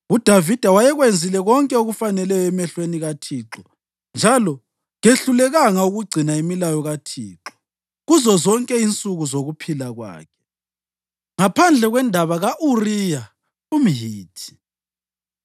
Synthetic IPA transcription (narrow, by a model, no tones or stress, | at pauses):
ud̥ʱavid̥ʱawajɛɣwend͡zʱilɛɣɔŋkʼɛuɣufanɛlɛjɔɛmɛɬweniɣatʰiːǁɔ | nd͡ʒʱalɔ | ɣeɬulɛɣaŋauɣuɡ͡ǀʱinaemilajɔɣatʰiːǁɔ̥ | ɣuzɔzɔŋkʼɛint͡sʼuɣuzoɣupʰilaɣwa̰ːkʰɛ̥ | ŋapʰand͡ɮʱɛɣwɛndʱaβaɣaʔurija | um̩ɦiːtʰi̥